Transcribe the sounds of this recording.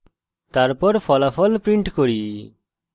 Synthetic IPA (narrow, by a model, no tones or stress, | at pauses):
t̪aɾpɔɾfʰɔlafʰɔlpɾiɳʈkoɾi